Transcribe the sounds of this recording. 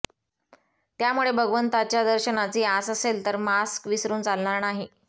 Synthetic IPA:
t̪jamuɭebʱəɡʋənt̪at͡ɕjad̪əɾɕənat͡siːasəselt̪əɾmaskʋisɾuːnt͡salɳaɾnaɦi

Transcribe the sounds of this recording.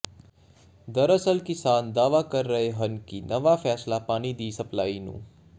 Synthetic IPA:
d̪əɾəsəlkɪsand̪aːʋakəɾːəɦeɦənkinəʋafɛːslapaːɽ̃id̪iːsəplainṵ̃ː

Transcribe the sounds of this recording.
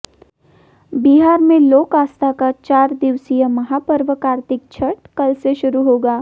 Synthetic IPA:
biɦaːɾmẽloːkaːst̪ʰakat͡ʃaːɾd̪ɪʋsijəmɐɦaːpəɾʋəkaːɾt̪ɪk̚t͡ʃʰɐʈkɐlseʃʊɾuɦoːɡaː

